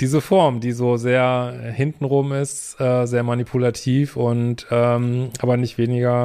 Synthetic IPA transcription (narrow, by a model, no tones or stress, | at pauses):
d̥iːzəfɔɐmdiːzoːzeːɐhɪntn̩ʁʊmɪst | ʔɛːzeːɐmanipʰulatʰiːfʊntʔɛːmʔaːbɐnɪçtv̥eːnɪɡɐ